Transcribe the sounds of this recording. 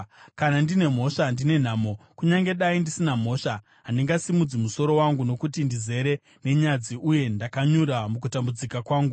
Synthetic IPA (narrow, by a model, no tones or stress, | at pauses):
kanandine̞m̤o̞ʂandine̞n̤aːmo̞kuɲaŋɡe̞ɗaindisinam̤o̞ːʂa | ɦandiŋɡasimud͡zimuso̞ɾo̞waŋɡuno̞kutindize̞ɾe̞ | ne̞ɲad͡ziʔuje̞ndakaɲuɾamuk̬utambud͡zikakwaːŋɡu